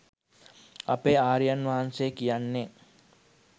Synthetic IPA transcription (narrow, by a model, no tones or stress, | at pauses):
ɐpeaːɾijanʋaɦansekijanːe